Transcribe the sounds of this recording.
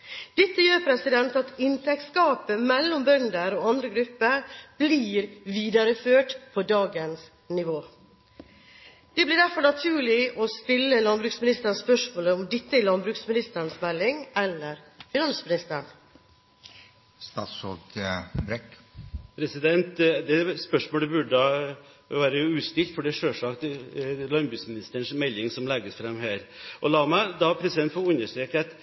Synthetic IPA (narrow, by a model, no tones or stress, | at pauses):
d̪̥ɪt̪ːəjøːɾpʰɾɛsɪd̪ɛnt̪ɑt̪ɪnt̪ʰɛk̚t̪skɑːpəmɛlːɔmbœnd̪əɾɔːɑnd̪ɾəɡɾʉpːəɾb̥liːɾʋiːd̪ɑɾəføːʈpʰɔd̪ɑːɡəns | nɪʋoː | d̪̥ɛblɪɖæɾfɔɳɑt̪ʰʉːɭɪʔɔst̪ɪlːəlɑnbɾʉːksmɪnɪst̪əɾspœʂmoːləɔmd̪ɪt̪ːəɪlɑnbɾʉːksmɪnɪst̪əɾənsmɛlːɪŋɛlːəɾ | fɪnɑnsmɪnɪst̪əɳ | st̪ɑ̰ːt̪sɔt̪bɾɛkpʰɾɛsɪd̪ɛnt̪d̪ɛspœʂmoːlɛbʉɖəɑ | ʋæːɾəʉːst̪ɪlt̪fɔɖɛʂøːʂɑkt̪lɑnbɾʉːksmɪnɪst̪əɳʂmɛlːɪŋsɔmlɛɡːəsfɾɛmɦæːɾʔɔlɑːmæd̪ɑpʰɾɛsɪd̪ɛnt̪fɔʉnːəʂʈ̪ɾiːkt̪